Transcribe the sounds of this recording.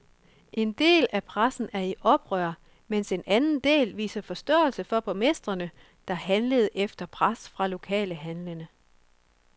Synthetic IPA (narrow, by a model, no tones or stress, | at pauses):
ʔe̝nd̥e̝̰ːlæpʰʁasn̩æɐiʔɒ̽b̥ʁœɐ̰ | mense̝nʔænn̩d̥e̝̰ːlʋḭːsɐfɒ̽sd̥ɔ̰ːl̩səfɒ̽b̥ɒmesd̥ʁɐnə | d̥ɑ̈ɦænləð̞̩ˠʔefd̥ɐpʰʁasfʁɑ̈lo̝kʰɛ̰ːləɦænlənə